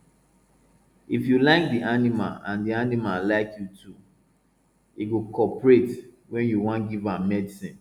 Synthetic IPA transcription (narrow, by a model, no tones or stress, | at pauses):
ifjulaɪk̚diʔanima̰lãndianimalaɪkjutʰu | iɡokɔpɹet | wɛ̃njuwɔ̃nɡivãmɛdisĩn